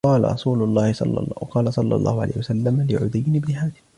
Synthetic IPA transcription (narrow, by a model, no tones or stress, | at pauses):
ɑːla̰ɾˤɑ̰sˤuːlʊlˤːɑːhɪsˤɑ̰lːɑ̰qɑːlɑsˤɑlːɑ̰lˤːɑ̰ːhʊʕa̰la̰jhɪwasalːamalɪʕʊ̰d̪ɪjːɪnɪbnɪhaːd̪ɪ̥